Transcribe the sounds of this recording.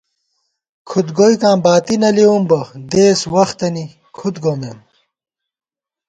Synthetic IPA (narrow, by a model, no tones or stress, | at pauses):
kʰud̪ɡojkãːmbaːt̪inɐlewumbɐd̪eːswɐxt̪ɐni | kʰut̪ɡõːnd̪em